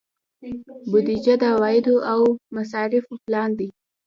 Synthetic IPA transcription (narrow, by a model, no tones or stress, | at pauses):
bʊd̪id͡ʒad̪əawɑjɪd̪oʔawmasɑɾɪfoplɑnd̪i